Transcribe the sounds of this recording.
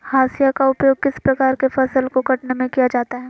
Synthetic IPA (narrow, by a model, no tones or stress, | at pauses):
haːsijakaʊpjoːɡ̚kɪspɾɐkaːɾkefɐsəlkokɐʈnemẽkijad͡ʒaːt̪aɦɛː